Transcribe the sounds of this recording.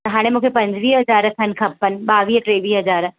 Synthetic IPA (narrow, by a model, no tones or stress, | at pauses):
ɐɦaːɽ̃emukʰepɐ̃ɲd͡ʒʋiːɦɐzaːɾət̪ʰɐnkʰɐpːənbaːʋiːʈɾeːʋiːɦɐd͡ʒaːɾ